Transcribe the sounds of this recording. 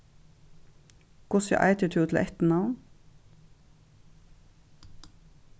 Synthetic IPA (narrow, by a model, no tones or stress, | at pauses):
kʊsjɑ̰ːʔɑ̰ɪt̪ət̪ʰʉːt̪ʰl̩ʔɛt̪n̩ɑn